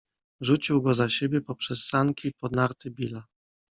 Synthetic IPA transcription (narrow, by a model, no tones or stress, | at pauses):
ʐut͡ɕiwɡɔzaɕebʲjɛpɔpʂɛsːaŋkʲipɔd̪naɾt̪ɘbʲila